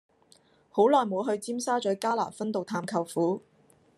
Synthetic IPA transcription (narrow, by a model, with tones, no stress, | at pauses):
ho˨˥wlɔː˨jmo˨˧˥ɦɵ˧ɥt͡siː˥msaː˥t͡ʃœː˨˥kaː˥la̰ː˨˩fɐ˥nt̪o˨wt̪ʰaː˧mkʰɐ˨˧wfuː˨˥